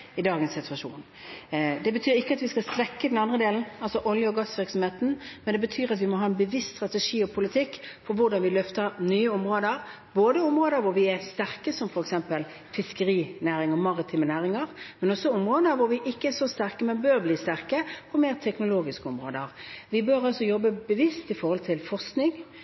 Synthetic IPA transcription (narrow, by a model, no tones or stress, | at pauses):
ɪd̪ɑːɡənsːɪt̪ʉɑʂuːn | d̪ɛbət̪ʰyːɾɪkːəɑt̪ʋɪskɑlsʋɛkːəd̪ɛnɑnd̪ʁəd̪eːln̩ɑlsɔʔɔljəɔɡɑsʋɪɾksɔmheːt̪n̩mɛnd̪ɛbət̪ʰyːɾɑt̪ʋɪmɔɦɑːɛnbəʋɪst̪st̪ɾɑt̪ɛʂiːɔpʰʊlɪt̪ʰɪkːpʰɔɾʋʊɾɖɑnʋɪlœft̪əɾnyːəʊmɾoːd̪əɾ | boːd̪əʊmʁoːd̪əɾʋʊɾʋɪɛst̪æʁkəsɔmfɔɾɛksɛmpəl | fɪskəɾiːnæːɾɪŋəmɑʁɪt̪ʰiːmənæːɾɪŋəɾmɛnɔsːɔʊmʁoːd̪əɾʋʊɾʋɪʔɪkːəɛsɔst̪æʁkəmɛnbøːɾbliːst̪æʁkəɔmeːɾt̪ʰɛknʊloːɡɪskəʊmɾo̰ːd̪əʁʋɪbøɾɑlsɔjɔbːəbəʋɪst̪ɪfɔɾhɔlt̪ʰɪlfɔʁsknɪŋ